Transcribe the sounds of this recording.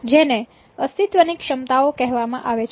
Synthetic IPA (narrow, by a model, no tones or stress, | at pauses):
d͡ʒene | əst̪it̪ʋənikʃəmt̪aokɛɦʋamã̰ʔaʋet͡ʃʰ